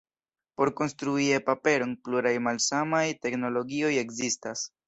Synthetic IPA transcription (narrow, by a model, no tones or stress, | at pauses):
po̞ɾko̞nstɾuiepape̞ɾo̞npluɾajmalsamajte̞kno̞lo̞ɡio̞je̞kzistas